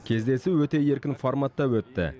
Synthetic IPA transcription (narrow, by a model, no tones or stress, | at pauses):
kʲʰe̞zd̪e̞sɪwɵt̪e̞je̞ɾkʲɪnfoɾmɑt̪ːɑwɵt̪ːɪ̰